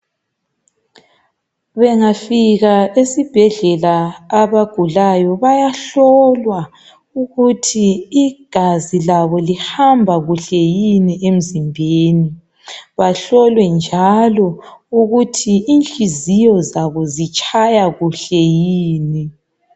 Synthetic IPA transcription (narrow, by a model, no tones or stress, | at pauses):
βɛŋafiɣaesib̥ʱɛɮɛlaːβaɡ̥ʱulajɔβajaɬɔlwa | uɣutʰiːɡ̥ʱazilaβɔlihambʱaɣuɬɛjiniʔem̩zimbʱeːni | βaɬɔlwɛnd͡ʒʱalɔuɣutʰiint͡ɬʼizijɔzaβɔzit͡ʃʼʰajaɣuɬɛjiːni